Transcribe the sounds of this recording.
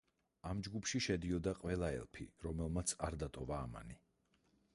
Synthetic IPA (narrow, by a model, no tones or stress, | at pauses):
amd͡ʒɡupʰʃiʃɛd̪iɔd̪aqʼvɛlˠaɛ̰lˠpʰḭɾɔmɛlˠmat̪sʰaɾd̪at̪ʼɔvaːma̰ni